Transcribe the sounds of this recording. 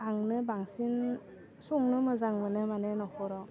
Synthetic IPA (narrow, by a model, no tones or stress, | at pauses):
aŋnɯbaŋsin | suŋnɯmɯzaŋmɯnɯmanenɔkʰɔɾɔ